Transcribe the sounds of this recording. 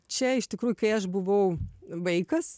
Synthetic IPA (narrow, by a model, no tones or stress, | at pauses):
t͡ʃʲɛɪʃt̪ʲɪkɾuːjʊkɐɪɐʃbʊʋɐʊʋɐɪkɐs